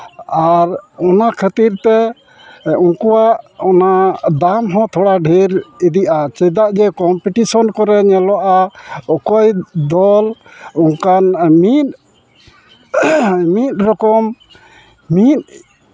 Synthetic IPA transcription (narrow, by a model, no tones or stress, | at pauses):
aɾɔnakʰət̪iɾt̪ɛ | unkuwaʔɔnad̪amɦɔ̃t̪ʰɔɽaɖʱiɾid̪iʔat͡ʃɛd̪aʔd͡ʒɛkɔmpiʈisɔnkɔɾɛɲɛlɔʔaɔkɔjd̪ɔlɔŋkanmit̪̚ | mit̪̚ˀɾɔkɔm | mit̪̚